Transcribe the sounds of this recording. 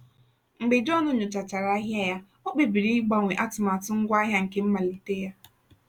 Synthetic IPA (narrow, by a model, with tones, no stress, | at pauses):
ŋ͡m̩˨ɡ͡be˨d͡ʒɔ˦nʊ˦ɲʊ˨t͡ʃa˨t͡ʃa˨ɾa˦ɦja˦ja˦ | o˦k͡pe˨bi˨ɾi˦i˦ɡ͡ba˦ŋʷe˨ʔa˦tʊ˨ma˨tʊ˦ŋ̩˦ɡʷa˦ɦja˦ŋ̩˨ke˦m̩˦ma˨li˨te˦ja˦